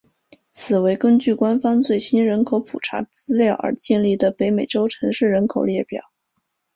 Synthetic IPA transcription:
t͡sʰɹ̩˨˩we˧˥ɪkə˥ŋt͡ɕy˥˩kwa˥nfɑ˥ŋt͡swe˥˩ɪɕi˥nɻə˧˥nkʰo˧˥ʊpʰu˨˩ʈ͡ʂʰa̰˧˥t͡sɹ̩˥ljɑ˥˩ʊʔə̰˞˧˥t͡ɕjɛ˥˧nli˥˩d̪ə˩pe˧˥ɪme˨˩ɪʈ͡ʂo˥ʊʈ͡ʂʰɤ˧˥ŋʂɻ̩˥˩ɻə˧˥nkʰo˨˩ʊljɛ˥˩pjɑ̰˨˩˦ʊ

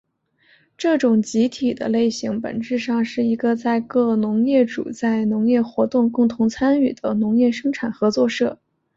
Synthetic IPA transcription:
ʈ͡ʂɤ˥˩ʈ͡ʂʊ˨˩ŋt͡ɕi˧˥t̪ʰi˨˩d̪ə̰˦le˥˩ɪɕi˧˥ŋpə̰˨˩nʈ͡ʂɻ̩˥˧ʂɑ˥˧ŋʂɻ̩˥˩i˧˥ɡə˧t͡sa˥˧ɪkɤ˥˩nʊ˧˥ŋjɛ˥˩ʈ͡ʂṵ˨˩t͡sa˥˩ɪnʊ˧˥ŋjɛ˥˩xwɔ˧˥t̪ʊ˥˧ŋkʊ˥˩ŋt̪ʰʊ˧˥ŋt͡sʰa˥ny˥˩d̪ə˦nʊ˧˥ŋjɛ˥˩ʂɤ˥ŋʈ͡ʂʰa˨˩nxɤ˧˥t͡swɔ˥˧ʂɤ˥˩

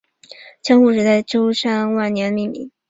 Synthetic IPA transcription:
t͡ɕʰjɑ˥ŋxu˥˩ʂ̬ɻ̩˧˥t͡sa˥˩ɪʈ͡ʂo˥ʊʂa˥˧ŋwa˥˩nnjɛ˧˥nə˧mi˥˩mḭ˧˦ŋ

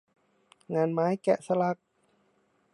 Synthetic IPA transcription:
ŋaː˧nmaː˦˥jkɛ˧˩ʔsa˧la˧˩k̚

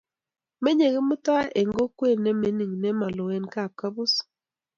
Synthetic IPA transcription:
me˦ɲe˨ɣe˦mʊ˦tɔ˦a˦ʔe˨ŋɡo˦kwe˦˨ne˦me˦ni˨ŋne˦ma˨lo˨we˦nka˦˨p̚ka˦bu˦s

